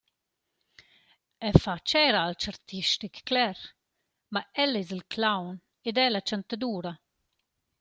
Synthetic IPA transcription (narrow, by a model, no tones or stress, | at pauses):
ɛfat͡ʃɛɾalt͡ʃaɾt̪iʃtikːlɛɾ | maɛlɛzilkʰlawn | ɪd̪ɛlat͡ʃant̪ad̪uːɾa